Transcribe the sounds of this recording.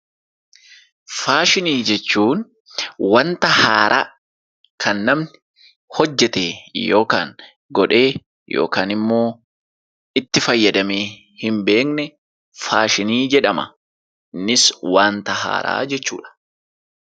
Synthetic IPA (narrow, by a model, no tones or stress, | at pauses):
faːʃɪniːd͡ʒɛt͡ʃːuːn | wɐnt̪ɐha̰ːɾʔa̰ː | kʰɐnːɐmn | hɔd͡ʒːɛt̪eːjo̞ːkaːŋ | ɡɔᶑe̞ː | jo̰ːkaːnɪmːo̞ː | ɪt̪ːɪfɐjːɐd̪ɐmeː | hɪmbe̞ːknɛ | faːʃɪniːd͡ʒɛᶑɐmɐ̰ | nɪswaːnt̪ɐha̰ːɾa̰ːd͡ʒɛt͡ʃːṵːᶑɐ̥